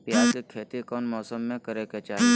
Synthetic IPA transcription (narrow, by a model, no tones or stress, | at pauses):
pjaːd͡ʒkikʰːeːt̪ikɔːnmɔːsəmːẽkɐɾeket͡ʃaːɦi